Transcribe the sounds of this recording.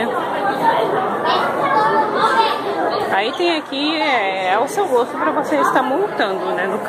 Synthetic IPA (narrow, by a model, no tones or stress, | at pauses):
ɛ | ait̪ẽj̃akiɛɛʊsewɡost̪ʊpɾɐvoseɪst̪aɾmõwt̪ɐ̃nd̪ʊnɛnʊk